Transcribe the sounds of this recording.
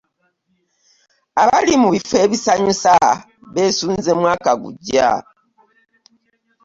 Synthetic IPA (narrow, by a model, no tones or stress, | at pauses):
aβalimuβifwe̞ːβisaɲusa | βe̞ːsuːnzemwaːkaɡṵɟa̰